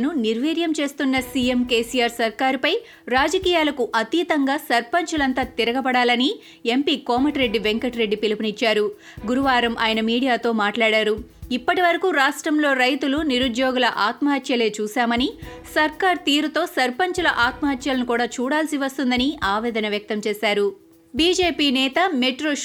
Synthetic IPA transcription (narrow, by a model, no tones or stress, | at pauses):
nuniɾʋiːɾjɐmt͡ʃe̞ːst̪unːɐsiemke̞ːsijaːɾsɐɾkaːɾipɐj | ɾaːd͡ʒɐkiːjaːlɐkuʔɐt̪iːt̪ɐŋɡaːsɐɾpɐɲt͡ʃulɐnt̪aːt̪iɾɐɡɐpɐɽaːlɐni | e̞mpiːkɔːmɐʈɾe̞ɖːiʋeŋkɐʈɾe̞ɖːipilipunit͡ʃːaːɾu | ɡuɾuʋaːɾɐmʔa̰ːjɐnɐmiːɽijaːt̪o̞ːmaːʈlaːɽaːɾuipːɐʈiʋɐɾɐkuɾaːʂʈɾɐmlo̞ːɾɐjt̪uluniɾud̪joːɡulɐʔaːt̪mɐɦɐt̪ʰjɐle̞ːt͡ʃuːsaːmɐni | sɐɾkaːɾt̪iːɾut̪o̞ːsɐɾpɐɲt͡ʃɐlɐʔaːt̪mɐɦɐt̪ʰjɐlɐnukuːɽaːt͡ʃuːɽaːlsiʋɐst̪und̪ɐniaːʋɛːd̪ɐnɐʋjɐk̚t̪ɐmt͡ʃɛːsaːɾu | biːd͡ʒeːpiːnɛːt̪ɐmeʈɾoː